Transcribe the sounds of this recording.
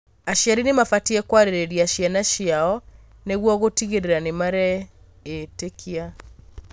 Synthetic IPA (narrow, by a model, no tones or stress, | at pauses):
aʃjaɾinemafatiɛkwaɾeɾeɾiaʃianaʃiaɔ | neɣwɔɣotiɣeɾeɾanemaɾɛ | etekʰia